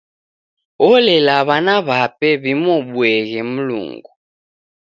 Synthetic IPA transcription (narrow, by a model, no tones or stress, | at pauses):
ɔlɛlaβanaβapʼɛβimoɓuɛɣɛm̩lṵːŋɡu